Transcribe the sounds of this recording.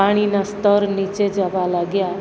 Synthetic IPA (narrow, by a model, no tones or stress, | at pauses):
aɽ̃inast̪əɾnit͡ʃed͡ʒaʋalaɡja